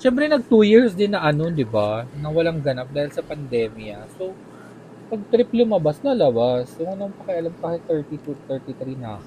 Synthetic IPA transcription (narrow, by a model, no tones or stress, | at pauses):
ʃɛmpɾɛnɐɡ̚t̪ujiɹsd̪ɪnːɐʔɐno̞d̪ɪbanɐwɐlaŋɡɐnap̚d̪aːhɪlsɐpɐnd̪ɛːmjɐso | pɐɡ̚t̪ɾɪplʊmɐbasnɐlɐwasjʊŋɐnɐɐnpɐkɛʔɐlamkaːhɪt̪ːɛɹt̪it̪ut̪ɛɹt̪it̪ɾinɐ̰k